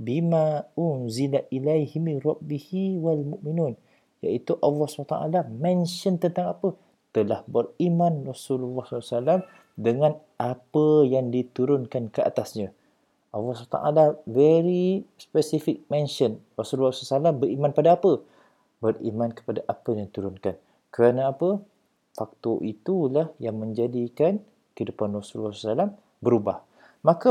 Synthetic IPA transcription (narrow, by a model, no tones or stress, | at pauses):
bimãʊnzilaʔilajhimɪnɾɑbihiwalmuʔminun | ja̰ʔit̪uʔɑlːɑhsat̪a̰ʔa̰lamɛ̃nʃənt̪ənt̪aŋapə | t̪əlahbərimãnrɑsululːɑhssalam | dəŋãn | ʔapəjaŋdit̪uɾʊnkankəa̰t̪asɲã | ʔalːɑst̪a̰ʔa̰lavɛɾispɛsifɪk̚mɛ̃nʃənrasululːɔslsalambəɾimãnpadaapə | bərḭmãnkə̥padaʔapəjaŋdit̪uɾʊnkan | kəɾanaːpə | fak̚t̪ɔʔit̪ulahjaŋmə̃ɲd͡ʒadikan | kəidupanrasullːɔssalam | bəɾubah | maka